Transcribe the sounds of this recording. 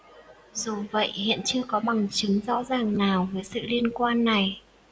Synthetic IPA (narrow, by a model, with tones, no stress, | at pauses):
zo˨˩və̰˧˨jhḭ˧˨ənt͡ɕɨ˧əkɔ˨˦ɓa˨˩ŋt͡ɕɨ˨˦ŋzɔ̰˧˥zaː˨˩ŋnaː˨˩wvəː˨˦jsɨ̰˧˨li˧ənkwaː˧nːa˨˩j